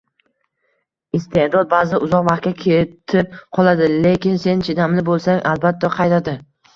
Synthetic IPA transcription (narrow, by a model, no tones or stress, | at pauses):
ɪst̪ʰehd̪ɒd̪̚baːzɪʊzɒqvɑχt̪̚kʲakʲʰet̪ʰɪp̚qʰɒlˠad̪ɪle̞kʲɪnse̞nt͡ʃʰɪd̪amlɪbolˠsaŋʔalbat̪ʰːaqʰɑjt̪ʰad̪ɪ